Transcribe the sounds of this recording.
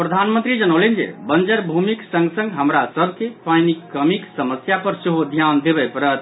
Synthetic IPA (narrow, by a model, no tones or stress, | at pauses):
pɾəd̪ʱanmə̃nt̪ɾid͡ʒənəlend͡ʒḛbənd͡ʒəɾbʱumiksə̃ŋɡsə̃ŋɡɦəmɾasəbʱkepajnikːəmiksəməsjapəɾseɦod̪ʱjand̪ebɛpəɾət̪